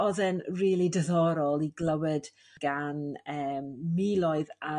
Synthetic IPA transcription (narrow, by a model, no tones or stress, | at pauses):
ɔðɛnriːlˠidəðɔɾɔlˠiɡlˠəwəd̥ | ɡ̥anəːmːiːlˠɔɨða